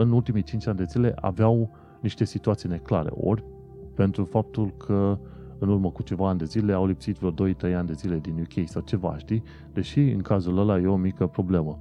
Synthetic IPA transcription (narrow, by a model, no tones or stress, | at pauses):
ɨnult̪imit͡ʃint͡ʃanʲd̪e̞zile̞ʔa̰veaw | niʃt̪e̞sit̪uat̪sijne̞kla̰ɾe̞̰ʔo̞̰rʲ | pe̞nt̪ɾufap̚t̪ulkʰə | ɨnurməkut͡ʃe̞vaːnʲd̪e̞zile̞awlipsit̪vord̪o̞jt̪ɾe̞janʲd̪ezile̞d̪inukʲʰejsawt͡ʃe̞va̰ʃt̪i | d̪e̞ʃiɨŋkazuləlaje̞o̞mikəpɾo̞ble̞mə